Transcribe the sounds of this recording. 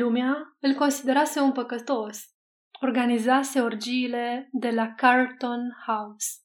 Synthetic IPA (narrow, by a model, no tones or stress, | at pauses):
lumeaɨlko̞nsid̪e̞ɾase̞unpəkət̪o̞s | o̞rɡanizase̞ord͡ʒiːle̞d̪e̞lakart̪o̞nhaus